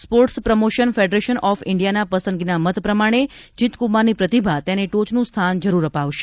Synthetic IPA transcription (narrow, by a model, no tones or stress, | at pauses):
spoɾʈspɾəmoʃənfeɖɾeʃənʔɔfɪɳɖijanapəsənɡinamət̪pɾəmaɽ̃ed͡ʒit̪kumaɾnipɾət̪ibʱat̪eneʈot͡ʃnũst̪ʰand͡ʒəɾuɾəpaʋʃe̥